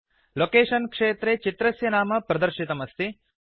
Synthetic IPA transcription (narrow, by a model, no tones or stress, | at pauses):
lokeːʂɐnkʂeːt̪ɾet͡ʃit̪ɾɐsjɐnaːmɐpɾɐd̪ɐɾʃit̪ɐmɐst̪i